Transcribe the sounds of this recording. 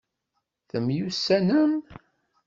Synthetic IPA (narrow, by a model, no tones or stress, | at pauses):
θəmjusːænəm